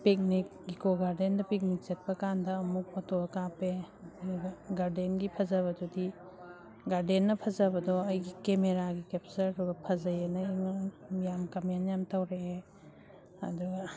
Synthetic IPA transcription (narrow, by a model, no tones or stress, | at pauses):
pek̚nik̚ɡikoɡaɾdendɐpik̚nik̚t͡ʃɐt̚pɐkandɐːmuk̚pɔtoɐkapeduɡɐɡaɾdenɡipʰɐzɐβɐdudi | ɡaɾdenːɐpʰɐzɐbɐdɔɐjɡikemeɾaɡikep̚sɐɾɐdubɐpʰɐzɐjɐnɐiŋjamkɐmjanjamtɐwɾe | hɐ̰duɡɐ